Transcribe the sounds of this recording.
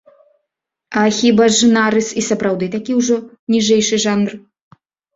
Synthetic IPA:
ɐxʲibaʐɨnaɾɨsisɐpɾawd̪ɨt̪akʲiwʐɔ | nʲiʐɛjʂɨʐanr

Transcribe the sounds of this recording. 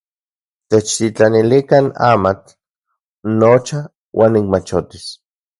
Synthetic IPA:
t̪et͡ʃt̪it͡ɬanilikana̰mat͡ɬ | not͡ʃa | wʔaːnːikmat͡ʃot̪is

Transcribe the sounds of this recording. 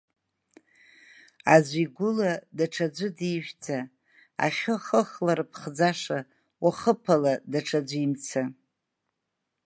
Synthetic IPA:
azʷiɡʷʊladaʈ͡ʂʰad͡ʒʷɨdiʒᶣd͡zʰa | a̰χʲʊχəχlaɾpʰχd͡zaʂa | waχəpʰaladaʈ͡ʂʰad͡ʒʷimt͡sʰa

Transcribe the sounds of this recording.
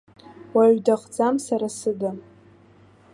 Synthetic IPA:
waɥdaχʼd͡zamsaɾasɨdɨ

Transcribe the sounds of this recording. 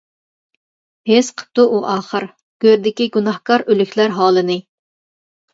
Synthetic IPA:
hesqʰə̥p̚t̪uʔuʔɑːχəɾ | ɡ̥ʲøɾd̪ɪkʲiɡunɑhkɑɾølykʲlæɾɦɑːlˠɨnɨ

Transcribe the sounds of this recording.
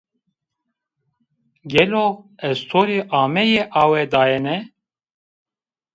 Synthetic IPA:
ɡɛloɛzt̪ʰoːɾeʔɑːmɛjeʔɑːwɛd̪ɑːjɛnɛ

